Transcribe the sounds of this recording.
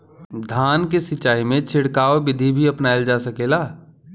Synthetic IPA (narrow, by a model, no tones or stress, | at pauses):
d̪ʱaːnkesɪt͡ʃːaːimẽt͡ʃʰɪɽkaːobɪd̪ʱibʱiɐpnaːeld͡ʒaːsɐkeːlaː